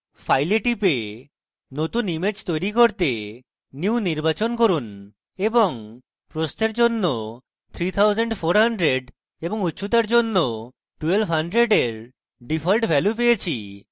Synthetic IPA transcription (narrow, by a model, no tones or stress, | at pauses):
fʰajleʈipe | not̪unimed͡ʑt̪ojɾikoɾt̪e | njuuniɾbat͡ɕonkoɾun | eboŋ | pɾost̪eɾd͡ʑonːo | t̪ʰɾit̪ʰawzeɳɖfʰoɾɦaɳɖɾeɖ | eboŋut̪ːʃʰut̪̬aɾd͡ʑonːo | ʈuelbʱɦaɳɖɾeɖeɾ | ɖipʰɔlʈbʱɛlupejet͡ɕʰi